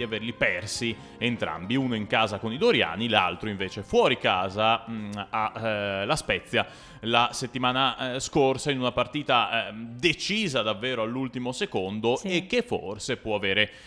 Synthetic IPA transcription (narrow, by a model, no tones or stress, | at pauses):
iaverlipɛrsi | ent̪ɾa̰mbiunoiŋkaːzakonid̪oɾja̰ːnila̰lt̪ɾoiɱveːt͡ʃefwɔːɾikaːzaː | laspɛt̪sːja | laset̪ːimaːnaskorsainunapart̪iːt̪ad̪et͡ʃiːzad̪avːeːɾoalːult̪imosekond̪osek̟ːefːo̰rsepwɔaveːɾe